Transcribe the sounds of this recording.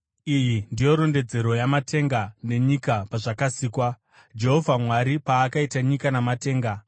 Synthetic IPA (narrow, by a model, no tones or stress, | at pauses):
ijindijo̞ɾo̞nde̞d͡ze̞ɾo̞jamate̞ŋɡane̞ɲikapaʐakasiːkwa | d͡ʒe̞ɦo̞vʱamwaɾipaːkaitaɲikanamate̞ːŋɡa